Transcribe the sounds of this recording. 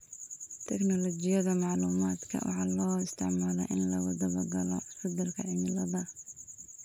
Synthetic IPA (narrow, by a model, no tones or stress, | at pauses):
t̪ʰɛknɔlɔt͡ʃɪjɐðɐmɑʕluːmaːd̪kʰɐ̰wʔɑ̰ħɑːlɔːɪst̪ʰɪʕmaːlɛjʔɪnlɐwɐðɐbɐɡɐlɔ̰ħʊd̪ɐlkʰɐʕɪmɪlɐðɐ